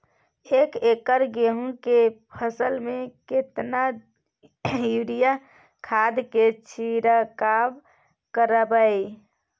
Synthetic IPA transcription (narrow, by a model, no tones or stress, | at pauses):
ekekəɾɡeɦũkepʰəsəlmẽket̪na | uɾija | kʰad̪ket͡ʃʰiɾəkab | kəɾəbəj